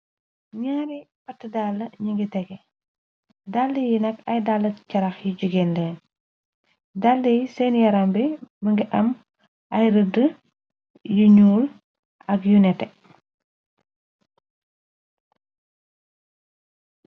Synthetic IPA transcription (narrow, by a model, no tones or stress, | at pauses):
ɲaːɾipɐtːədalːɐɲiŋɡitɛɡɛ | daldəjinɐkɐjdalːɐcɐɾɐxjiɟuɡɛːndɛːn | dalːəjsɛːnjɐɾɐmbɛməŋɡiʔɐm | ʔɐjɾədə | juɲuːl | ɐkjunɛtɛ